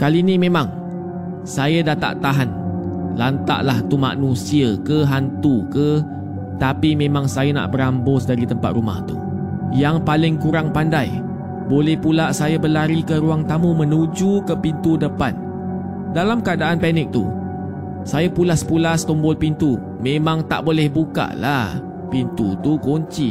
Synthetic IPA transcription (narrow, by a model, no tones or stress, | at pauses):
kalinĩmẽmãŋ | sajadat̪a̰ʔt̪aɦanlant̪a̰ʔlaht̪uma̰nũsiakəɦant̪ukə | t̪apimẽmãŋsajana̰ʔbəɾambʊsdaɾit̪əmpa̰t̪ruma̰ht̪ṵ | jaŋpalɪŋkuɾaŋpandaj | bolɛhpulaʔsajabəlaɾikəɾuaŋt̪amumə̃nud͡ʒukəpint̪udəpan | dalamkəadaʔanpɛnɪk̚t̪ṵ | sajapulahsə̥pulast̪ɔmbʊlpint̪u | mẽmãŋt̪a̰ʔbolɛhbuka̰ʔlah | pint̪ut̪ukoɲt͡ʃi